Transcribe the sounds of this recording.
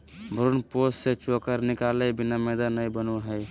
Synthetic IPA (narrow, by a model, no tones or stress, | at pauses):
bʱɾunposset͡ʃokəɾnikalebinamed̪anəjbənuɦəj